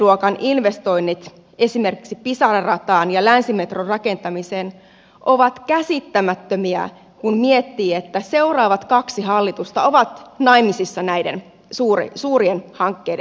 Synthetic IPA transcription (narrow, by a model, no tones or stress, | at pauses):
uokɑnʔinʋest̪o̞inːit̪ | esime̞rki̥ksipisɑrɑrɑt̪ɑːnjɑlænsimet̪rorrɑke̞nt̪ɑmiseːn | ʔoʋɑt̪kæsit̪ːæmæt̪ːømiæ̰ | kunmiet̪ːiːet̪ːæse̞urɑːʋɑt̪kɑksiɦɑlːit̪ust̪ɑo̞ʋɑt̪nɑimisisːɑnæjden | suːr̰suːrienhɑŋkːeːd